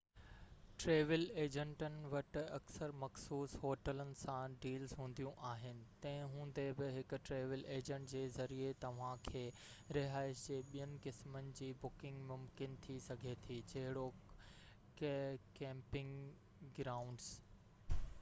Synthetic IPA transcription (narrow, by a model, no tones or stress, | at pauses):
ʈɾeːʋɪleːd͡ʑə̃ɳʈənɪ̆ʋɐʈɪ̆ɐksəɾmɐxsuːsɦoːʈələnɪ̆sãɖiːlzɦũːn̆d̪ijũʔaːɦɪnɪ̆t̪ɐ̃ɦɪ̃ɦũːn̆d̪ebɪɦɪkʊ̆ʈɾeːʋəleːd͡ʑə̃ɳʈd͡ʑeːzɐɾiet̪ɐʋ̤ãkʰeː | ɾɪɦaːɪsd͡ʑeːɓijənɪ̆kɪsmənɪ̆d͡ʑiːbʊkɪ̃ŋɡmʊmkɪnt̪ʰisɐɡʱet̪ʰiːd͡ʑɐɦɪɽo | kɛ̃ːmpɪ̃ŋ | ɡɾaːʊ̃ɳɖs